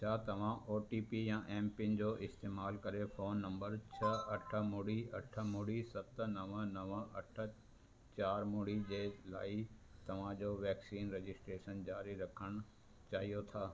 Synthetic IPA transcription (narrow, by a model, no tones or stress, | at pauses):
t͡ɕʰaːt̪ɐʋ̤ãʔoːʈiːpijãʔɛ̃ːmpɪnd͡ʑoːʔɪst̪eːmaːlkɐɾefoːnːɐ̃mbəɾt͡ɕʰɐɐʈʰə̆mʊːɽiɐʈʰə̆mʊːɽisɐt̪̆nɐʋənɐʋəɐʈʰə̆ | t͡ɕaːɾmoɽid͡ʑeːla̰ːi | t̪ɐʋ̤ãd͡ʑoːʋɛːksiːnɾed͡ʑɪsʈɾeːʃənd͡ʑaːɾiɾɐkʰəɽ̃ʊ | t͡ɕaːɦijot̪ʰaː